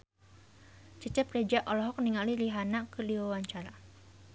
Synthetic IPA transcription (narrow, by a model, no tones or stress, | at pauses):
t͡ʃət͡ʃɛprɛd͡ʒaʔɔlɔɦɔk̚niŋaliliɦanakəliwawaɲt͡ʃaɾa